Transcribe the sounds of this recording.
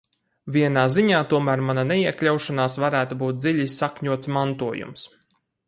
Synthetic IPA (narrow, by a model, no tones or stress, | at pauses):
viɛnaːziɲaːt̪uɔmæːɾmananɛiɛklʲawʃanaːsvaɾæːt̪ubuːt̪̚d̪ziʎisːakɲuɔt̪smant̪uɔjṵms